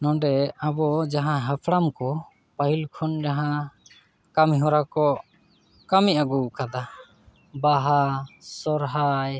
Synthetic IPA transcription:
nɔ̃ɖɛabɔd͡ʒaɦãɦapʰɽamkɔ | paɦilkʰɔnd͡ʒaɦã | kamiɦɔɾakɔ | kamiaɡukad̪a | baɦasɔɾɦaj

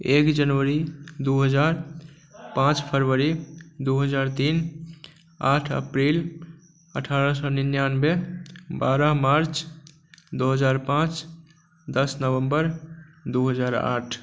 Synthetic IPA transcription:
ekd͡ʒənʋəɾid̪uɦəd͡ʒaɾ | pãt͡ʃpʰəɾʋəɾid̪uɦəd͡ʒaɾt̪in | aʈʰə̰pɾil | əʈʰaɾə̃səninjanbebaɾəɦmaɾt͡ʃ | d̪oɦəd͡ʒaɾpãt͡ʃ | d̪əsnəʋəmbəɾd̪uɦəd͡ʒaɾa̰ʈʰ

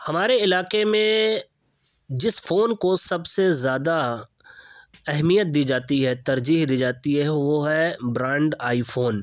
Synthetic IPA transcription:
hɐmaːɾeɪlaːkemẽ | d͡ʒɪsfoːnkosɐbsezjaːd̪a | ɛɦmijət̪̚d̪iːd͡ʒaːt̪iɦɛt̪ɐɾd͡ʒiːɦd̪iːd͡ʒaːt̪iɦɛʋoɦɛbɾãːɳɖaːifʰoːn

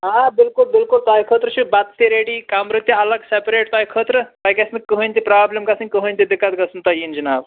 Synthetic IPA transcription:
ɦabilkulbilkult̪aikʰət̪ɾət͡ʃʰubat̪t̪iɾeɽikamɾɨt̪jəɐləɡsepɾeʈ̚t̪ajkʰət̪ɾəpaikesnkəɦənʲt̪ipɾablemkasə̃ŋʲkəɦənʲt̪id̪ikːat̪̚ɡɐsənt̪ɐjind͡ʒɐnaːb

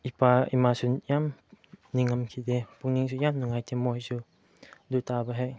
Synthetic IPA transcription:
ipaimasunjamniŋɐmkʰidepuŋniŋsʰujamnuŋajtʰemojsu | dutabaɦaj

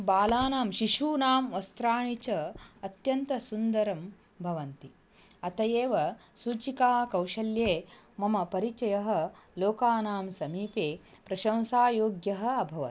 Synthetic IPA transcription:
baːlaːnaːmʃiʃuːnaːmʋɐst̪ɾaːɳit͡ʃɐɐt̪jɐnt̪ɐsund̪ɐɾɐm | bʱɐʋɐnt̪i | ɐt̪ɐjeːʋɐsuːt͡ʃikaːkɐwʃɐljeː | mɐmɐpɐɾit͡ʃɐjɐɦɐ̆loːkaːnaːmsɐmiːpeː | pɾɐʃɐ̃wsaːjoːɡjɐɦɐ̆ɐbʱɐʋɐ̰

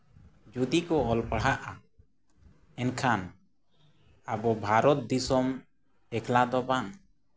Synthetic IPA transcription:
d͡ʒud̪ikɔːlpəɽ̤aʔa | ɛnkʰan | abɔbʱaɾɔt̪̚d̪isɔm | ɛkʰlad̪ɔbaŋ

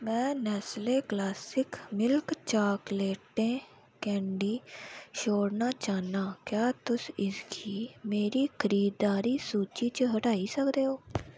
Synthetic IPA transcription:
mɛ̃ːnɛːsleːklaːsɪkmɪlkt͡ʃaːkleːʈːẽː | kɛ̃ːɳɖiːʃoːɽnaːt͡ʃaːnaːkjaːt̪ʊsɪsɡʰiːmeːɾiːkʰəɾiːd̪aːɾiːsuːt͡ʃiːt͡ʃəɦəʈaːiːsəkd̪eːɦoː

